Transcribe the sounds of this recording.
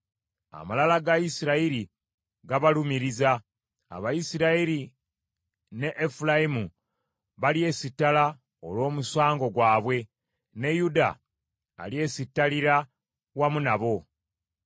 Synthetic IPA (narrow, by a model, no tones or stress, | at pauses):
a̰malalaɡajisiɾaiɾi | ɡaβalumiɾiza | a̰βajisiɾaiɾi | ne̞ʔːfulaimu | βalie̞sitːala | olo̞ːmuswaːŋɡo̞ɡwaːβwe̞ | ne̞juda̰ | a̰lie̞ːsitːaliɾa | wamunaβo̞